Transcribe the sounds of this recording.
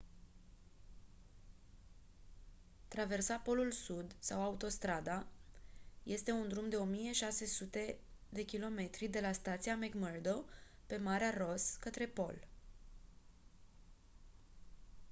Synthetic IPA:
t̪ɾave̞rsapo̞lulsud̪sawaut̪o̞st̪ɾad̪a | je̞st̪e̞und̪ɾumd̪e̞o̞mije̞ʃase̞sut̪e̞d̪e̞kʲilo̞me̞t̪ɾid̪e̞last̪at̪sijameɡmərd̪o̞ | pe̞maɾearo̞skət̪ɾe̞po̞̰l

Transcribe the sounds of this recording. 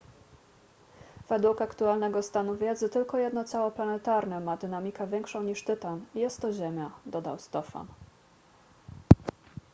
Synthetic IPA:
v̥ɛd̪wukakt̪ualnɛɡɔst̪anuvʲjɛd̪zɘt̪ɘlkɔjɛd̪nɔt̪sawɔplanɛt̪aɾnɛmad̪ɘnamʲikɛvʲjɛŋkʂɔ̃w̃ɲiʂt̪ɘt̪anijɛst̪ːɔʑemʲjad̪ɔd̪a̰wst̪ɔfa̰n

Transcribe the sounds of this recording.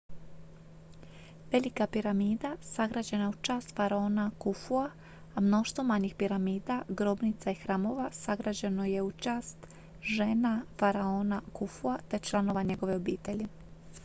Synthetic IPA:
ʋe̞likapiɾamiːd̪asaɡɾaːd͡ʑe̞naut͡ʃaːst̪faɾaoːnakufua | amno̞ʃt̪ʋomaɲixpiɾamiːd̪aɡɾo̞bnit̪saixɾaːmo̞ʋasaɡɾaːd͡ʑe̞no̞je̞ut͡ʃaːst̪ | ʒe̞ːnafaɾaoːnakufuat̪e̞t͡ʃlˠano̞ʋaɲe̞ɡo̞ʋe̞o̞biːt̪e̞ʎi

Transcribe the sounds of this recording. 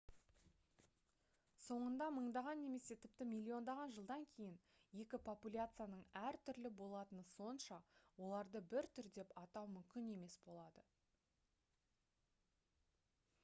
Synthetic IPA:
so̞ɴənd̪ɑməɴd̪ɑʁɑnːe̞me̞se̞t̪ʰɪp̚t̪ɪmilʲːio̞nd̪ɑʁɑnʒəlˠd̪ɑŋkʲʰe̞jɪn | je̞kʲɪpʰo̞pulʲat̪sɨjanəɴæɾt̪ʰʏɾlɪbo̞lˠɑt̪ənəso̞nʃɑwo̞lˠɑɾd̪əbɪɾt̪ʰʏɾd̪e̞pɑt̪ɑwmʏmkʲɪne̞me̞sbo̞lˠɑd̪ə

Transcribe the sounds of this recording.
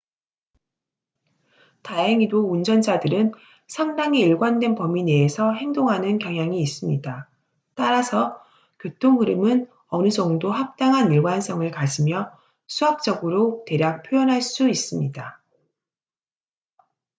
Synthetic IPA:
taɦeŋidound͡ʑʌnd͡ʑadɯɾɯn | sʰaŋdaŋiːɭɡwandwe̞npʌmineːsʰʌɦe̞ŋdoŋɦanɯnkjʌŋɦjaŋiːs͈ɯmɲida | t͈aɾasʰʌ | kʲjotʰoŋɦɯɾɯmɯn | ʌnɯd͡ʑʌŋdohap̚t͈aŋɦaniɭɡwans͈ʌŋɯɭkad͡ʑimjʌ | sʰuɦap̚t͡ɕ͈ʌɡɯɾote̞ɾjak̚pʰjojʌnɦaɭs͈uis͈ɯmɲida

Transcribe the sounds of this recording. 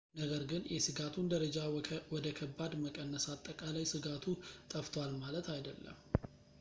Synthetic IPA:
nəɡəɾɡɨnjʔɛsɨɡat̪ʰund̪əɾəd͡ʒawɔd̪əkʰəbːad̪məkʼənːəsat̪ʼːəkʼalajsɨɡat̪ʰut̪ʼəft̪ʰowalmalət̪ʰajd̪əlːə̰m

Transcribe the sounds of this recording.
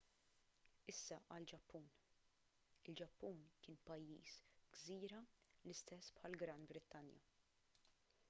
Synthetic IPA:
ɪsːɐʔɐld͡ʒɐpːuːn | ɪld͡ʒɐpːuːnkɪːnpɐjːḭːsɡziːɾɐlɪst̪ɛsːpħɐlɡɾɐnbɾɪt̪ːɐnjɐ̰

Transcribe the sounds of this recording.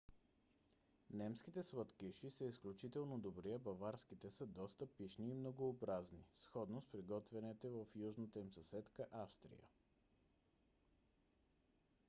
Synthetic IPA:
nɛmskit̪ɛsvət̪kiʃisəisklʲut͡ʃit̪ɛlˠnod̪obɾijəbɐvaɾsk̟it̪ɛsəd̪ɔst̪əpiʃniːmnoɡoːbɾaznisxɔd̪nospɾiɡɔt̪vɛnɛt̪ɛvəfjuʒnət̪əimsɐsɛt̪kəʔafst̪ɾḭjə̰

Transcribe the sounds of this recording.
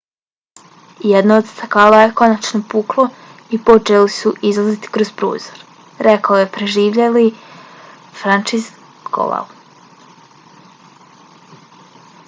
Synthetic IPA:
jed̪nood̪st̪akaːlˠajeko̞nat͡ʃnopuːklˠo̞ipo̞t͡ʃelisuʔizlˠazit̪i̥kɾoz̥pɾo̰ːzoɾ | ɾekaojepɾeʒiːʋʎeli | fɾant͡ʃiz | ko̰la̰l

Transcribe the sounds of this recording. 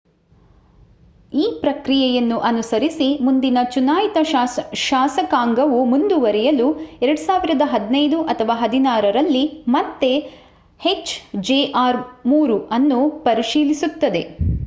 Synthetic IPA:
iːpɾɐkɾijɛjɐnːuʔɐnusɐɾisimund̪inɐt͡ʃunaːjit̪ɐʃaːsɐkaːŋɡɐʋumund̪uʋɐɾɛjɐluɛɾɐɽusaːʋiɾɐd̪ɐɦɐd̪nɐjd̪uʔɐt̪ʰɐʋaːɦɐd̪inaːɾɐɾɐlːimɐt̪ːe̞ | het͡ʃd͡ʒeːʔaːɾmuːɾuɐnːupɐɾiʃiːlisut̪ːɐd̪e̞

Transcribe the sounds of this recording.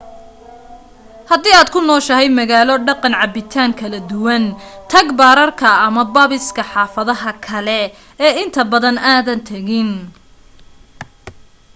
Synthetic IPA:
hɐd̪iːaːd̪kʰʊnɔːʃɐɦɛjmɐɣaːlɔɖɑqɑnʕɑbɪt̪ʰaːŋkʰɐlɐd̪ʊwɐnt̪ʰɐɡbaːɾɐrkʰɐːmɐbɐːβɪskʰɐħɑːfɐðɐɦɐkʰɐlɛ | ɛːɪnt̪ʰɐbɐðɐnaːðɐnt̪ʰɐɣɪn

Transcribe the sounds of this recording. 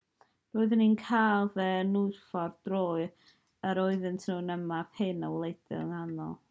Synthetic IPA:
roːɨðəninkʰaːlˠðɛnʊɨfɔrd̥roːɨ | əɾoɨðɨntʰnuːnəmaphɪnəwlˠejd̥ɪ̰lˠəŋanɔ̰lˠ

